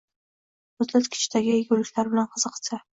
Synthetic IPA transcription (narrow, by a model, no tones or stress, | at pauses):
mʊzlat̪kʲʰɪ̥t͡ʃʰd̪aɡʲɪɡʲʊlɪkʲlaɾbɪlanqʰɨz̥ɨqʰsa